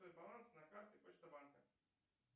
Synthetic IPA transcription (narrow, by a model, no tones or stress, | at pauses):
ɔjbɐlˠansnɐkaɾt̪ɪpɔt͡ʃt̪ɔbankɐ